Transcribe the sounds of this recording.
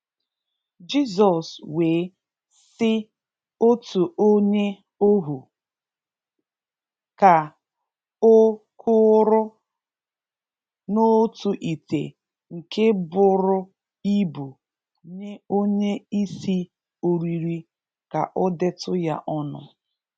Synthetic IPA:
d͡ʒi˦s̬ɔ˨swe˨˦ | sɪ˦ | o˦tu˨o˦ɲe˦ | o˦ɦu˨ | ka˨ | o˦kʰʊ˦ɾʊ˦ | no˦tu˨ʔi˨tḛ˨ | ŋ̩˨ke˦bʊ˨ɾʊ˦ | i˦bu˨ | ɲe˦o˦ɲe˦i˦si˦ | o˨ɾi˨ɾi˨ | ka̰˨ʔɔ˦de˦tʊ˦ja̰˦ʔɔ˦nʊ̰˨

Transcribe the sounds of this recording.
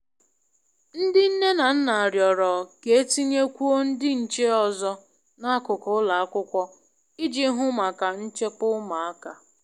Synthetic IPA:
n̩˦dɪ˦n̩˦ne˦na˨n̩˦na˨a˨ɾjɔ˨ɾɔ˨ke˨e˦ti˦ɲe˦kʷu˦o˦n̩˦dɪ˦n̩˨t͡ʃe˦ɔ˨zɔ˦ | na˦kʊ˨kɔ˨˦ʊ˦la˨a˦kʷʊ˦kʷɔ˦ | ɪ˦d͡ʒi˦ɦʊ˦ma˨ka˨n̩˦t͡ʃe˦k͡pʊ˦ma˨a˦ka˨

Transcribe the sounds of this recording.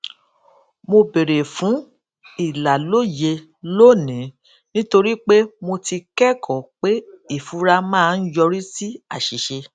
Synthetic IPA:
mo˧be˨ɾe˨fũ˨˦ | i˨la˨lo˦je˧ | lo˦˨nĩ˨˦ | nĩ˦to˧ɾi˦k͡pe˦mo˧ti˧kɛ˦kʰɔ˨k͡pe˦i˦˨fu˨˦ɾa˦mãː˦˨˧jɔ˧ɾi˦si˦a˦˨ʃi˨ʃe˧

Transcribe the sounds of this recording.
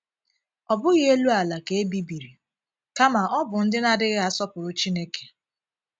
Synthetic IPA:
ɔ˨bʊ˦ɣɪ˦e˦lu˦a˨la˨ke˨e˦bi˦bi˨ɾi˨ | ka˦ma˨ʔɔ˦bʊ˨n̩˦dɪ˦na˦dɪ˦ɣɪ˦a˦sɔ˦pʊ˨ɾʊ˨t͡ʃi˦ne˦ke̥˨

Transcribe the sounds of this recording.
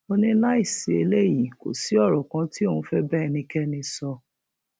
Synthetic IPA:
o˧nĩ˧la˦i˦˨si˨e˧˦le˦˨ji˨ko̰˨si˨˦ɔ˦˨ɾɔ˨kã˧˦ti˦o˦˨ũ˧˦fɛ˦bɛ˦˨nĩ˧kɛ˦nĩ˧sɔ˧

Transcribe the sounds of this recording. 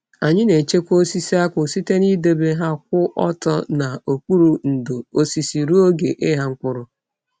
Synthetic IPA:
a˨ɲɪ˦ne˨t͡ʃe˦kʷo˦si˦si˦a˦kʷʊ˨si˦te˦ni˦de˦be˦ɦa˦k̚ʷʊ˦ʔɔ˦tɔ̰˦na˨o˨k͡pu˦ɾu˨n̩˨do˨o˦si˨si˨ɾu˦o˦ɡe˨ʔɪ˦ɦa˦ŋ̩˦kʷʊ˦ɾʊ˨

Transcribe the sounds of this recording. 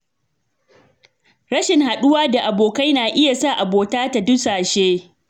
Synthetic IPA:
ɽɐ˦ʃɪ˨ŋha˨ɗʊ˦waː˦da˨ʔa˨boː˨ka˦jnaː˨ʔɪ˦ja˨sa˦˨ʔa˨boː˨taː˦ta˨dʊ˦saː˨ʃeː˦

